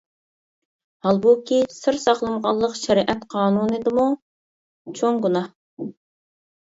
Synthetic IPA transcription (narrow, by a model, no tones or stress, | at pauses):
hɑlˠbukʲisɨɾsɑχlˠəmʁɑlˠːəqʃɛɾʔɛt̪qʰɑːnunɨd̪ɨmu | t͡ʃʰoŋɡunɑh